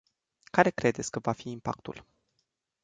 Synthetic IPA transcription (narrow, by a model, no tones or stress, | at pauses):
kaɾe̞kɾe̞d̪et̪sʲkəvafiːmpa̰k̚t̪ṵl